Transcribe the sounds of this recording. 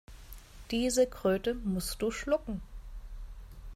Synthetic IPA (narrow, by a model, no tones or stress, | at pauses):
d̥iːzəkʁ̥øːtəmʊstd̥uːʃlʊkŋ̩